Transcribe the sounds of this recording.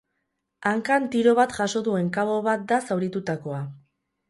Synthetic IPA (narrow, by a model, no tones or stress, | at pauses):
aŋkant̪iɾo̞βat̪ʝaso̞ðue̞ŋkaβo̞βat̪̚d̪asawɾit̪ut̪ako̞a